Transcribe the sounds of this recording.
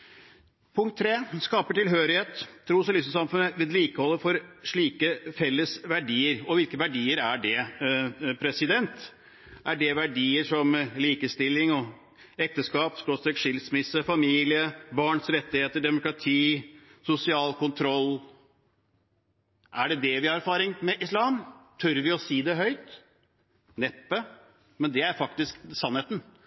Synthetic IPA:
pʰʊŋkt̪ʰːɾeːskɑːpəʈɪlɦøːɾɪheːt̪ʰːɾuːsɑlʉsəsɑmfʉnəʋɛːd̪liːkəhɔlːəfɔɾʂɭiːkəfɛlːəsʋæɖiːəɾɔʋɪlkəʋæɖiːəɾæɖɛ | pʰɾɛsɪd̪ɛnt̪ | ʔæɖɛʋæɖiːəʂɔmliːkəst̪ɪlːɪŋɔ | ɛk̚t̪əskɑːpsk̪ɔsɛkʂɪlsmɪsːəfɑmiːlɪəbɑːɳsɾɛt̪ːɪheːt̪əɖɛmʊkɾɑt̪ʰiːsʊsɪɑːlkʊnt̪ʰɾɔlː | ʔæɖɛd̪ɛʋɪhɑɾæɾfɑːɾɪŋmɛʔɪslɑːmt̪ʰœɾʋɪɔsiːd̪ɛɦœʏt̪ | nɛpːə | mɛnd̪ɛæɾfɑkt̪ɪsksɑnheːt̪n̩

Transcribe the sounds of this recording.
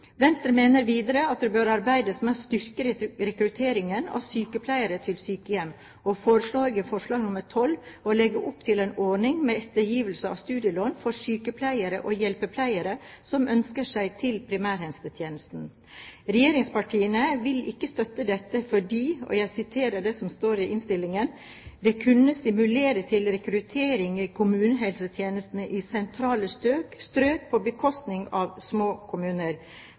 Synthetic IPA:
ʋɛnst̪ɾəmeːnəɾʋiːd̪əɾəɑt̪̚d̪ɛbøːɾɑɾbæɪd̪əsmɛost̪ʏɾkəɾɾɛkɾʉt̪ʰeːɾɪŋənɑ̰syːkəpʰlæɪəɾət̪ʰɪlsyːkəjɛmː | ofoːɾəʂɭoːɾɪɡəfɔʂɭɑːɡnʊməɾt̪ʰɔlolɛɡəʔʊpːt̪ʰɪleːnɔːɳɪŋmeːɛt̪ːəjiːʋəl̩səɑ̰ʋst̪ʉːd̪ɪəloːnfɔɾsyːkəpʰlæɪəɾə̰ʔoːjɛlpəpʰlæɪəɾəsɔmʔœnskəʂæɪt̪ʰɪlpʰɾɪmæːɾhɛnst̪ət̪ʰjeːnəst̪n̩ | ɾɛjeːɾɪŋspɑʈʰiːənəʋɪlɪkːəst̪œt̪ːəd̪ɛt̪ːəfɔɖiːɔ̰jæɪsɪt̪ʰeːɾəɖɛsɔmst̪oːɾɪʔɪnst̪ɪlːɪŋən | d̪ɛkʰʉnəst̪ɪmʉleːɾət̪ʰɪlɾɛkɾʉt̪ʰeːɾɪŋikʰʊmʉːnəɦɛlsət̪ʰjeːnəst̪ənəʔisɛnt̪ʰɾɑːləst̪øːkst̪ɾøːk̚pʰɔbəkʰɔst̪nɪŋɑʋsmoːkʰʊmʉːnəɾ

